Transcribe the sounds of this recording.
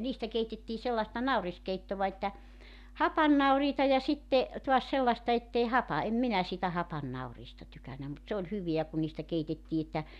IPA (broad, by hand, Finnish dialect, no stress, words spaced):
niːstæ keitetːiː selːɑĕstɑ nɑuriskeitːoʋɑ etːæ hɑpɑnːɑuriːtɑ jɑ sitːe tuɑs selːɑstɑ etːei hɑpɑ em minæ siːtæ hɑpɑnːɑuriːstɑ tykænːæ mut se olʲ hyʋeæ ku niːstæ keitetːiː etːæ